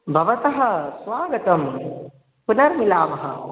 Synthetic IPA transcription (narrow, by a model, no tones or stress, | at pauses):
bʱɐʋɐt̪ɐɦɐ̆sʋaːɡɐt̪ɐm | punɐɾmilaːʋɐɦɐ̰̆